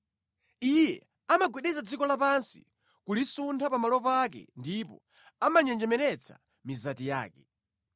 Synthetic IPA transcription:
ijɛ̰ | amaɡwɛɗɛzad͡zikɔlapansḭ | kulisuntʰapamalɔpak̬ɛ̰ndipɔ̰ | amaɲɛnd͡ʒɛmɛɾɛt͡sʰa̰ | mizatija̰ːkɛ

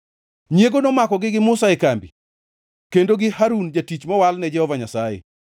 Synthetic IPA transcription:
ɲjeɡonomakɔɡɪɡɪmʊsaekambi | kendoɡɪhaɾund͡ʒatit͡ʃmɔwalnɛd͡ʒɛhɔvaɲasajḛ

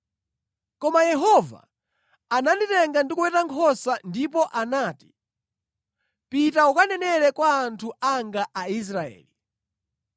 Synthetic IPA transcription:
kɔmajɛɦɔva̰ | ananditɛŋɡandikuwɛtaŋkʰɔsandip̬ɔʔanaːti̥ | pitaukanɛnɛɾɛkwaːntʰuaŋɡaʔais̬ɾaɛ̰ːli

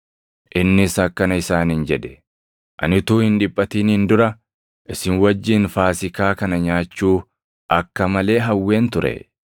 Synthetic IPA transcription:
ʔɪnːɪsɐkːɐnɐɪsaːnhɪnd͡ʒɛd̪ɛ̥ | ʔɐ̰nɪt̪uːhɪnᶑɪpʼːɐt̪iːnhɪnd̪ʊɾɐ | ʔɪsɪnwɐd͡ʒːɪnfaːsɪkaːkɐnɐɲaːt͡ʃːuː | ʔɐkːɐmɐle̞ːɦɐwːe̞ːnt̪ʊɾɛ̰

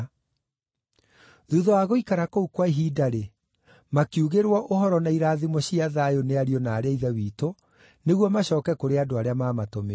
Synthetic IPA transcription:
ðuðɔaɣoikaɾakoukwaiɦidaɾe | makiuɣeɾwɔʔohɔɾɔnaiɾaːðimɔɕiaðaːjoneaɾiɔnaːɾeaiðɛwiːto | neɣwɔmaɕɔːkɛkoɾeadoaɾeamaːmatome

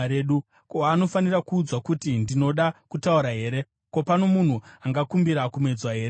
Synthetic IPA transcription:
eːɗu | koano̞fanirakuːd͡zwakutindino̞ɗakutauɾaɦe̞ːɾe̞ | ko̞pano̞mun̤uaŋɡakumbiɾakume̞d͡zwaɦe̞ːɾe

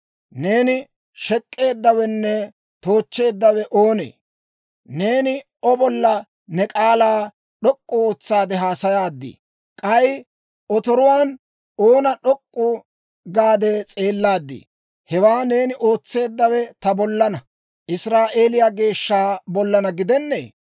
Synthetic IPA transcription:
ne̞ːnɪ | ʃɛkʼːe̞ːd̪ːɐwɛnːɛ | t̪o̞ːt͡ʃːe̞ːd̪ːɐwɛʔoːnḛː | ne̞ːnɪ | ɔbɔlːɐ | nɛkʼaːlaː | ɗɔkʼːʊoːt͡sːaːd̪ɛɦaːsɐjaːd̪ːḭː | kʼɐj | ɔt̪ɔɾʊwaːn | o̞ːnɐɗɔkʼːʊ | ɡaːd̪ɛt͡sʼe̞ːlːaːd̪ːḭː | hɛwaːne̞ːnɪʔo̞ːt͡sːe̞ːd̪ːɐwɛt̪ɐbɔlːɐnɐ | ʔɪsɾaːʔe̞ːlɪjaɡe̞ːʃːaːbɔlːɐnɐɡɪd̪ɛnːḛː

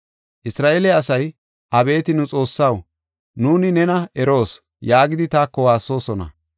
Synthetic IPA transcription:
ʔɪsɾaːʔeːlɛɐsɐj | ʔɐbe̞ːt̪ɪnʊt͡sʼo̞ːsːɐw | nuːnɪnɛnɐʔɛɾo̞ːs | jaːɡɪd̪ɪt̪aːkːɔwaːsːo̞ːsɔnɐ̰

